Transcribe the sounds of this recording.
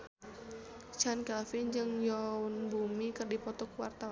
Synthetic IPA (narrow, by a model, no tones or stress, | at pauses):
t͡ʃankafɪɲd͡ʒɨŋjɔunbumikɨrdipɔt̪ɔkwa̰rt̪aw